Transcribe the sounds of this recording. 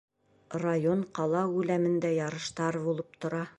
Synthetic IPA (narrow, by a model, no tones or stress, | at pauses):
rajoɴqɑlˠɑʉlæmɘ̆nd̪æjɑɾɤ̆ʃt̪ɑɾbulˠɤp̚t̪ŏɾɑ